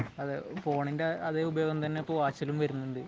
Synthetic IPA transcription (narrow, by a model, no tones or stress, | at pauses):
ɐðepo̞ːɳindeɐðeːubɐjoːɡɐmt̪ɐnːeipːoːʋaːt͡ɕːɐlumʋɐɾunːuɳɖɨ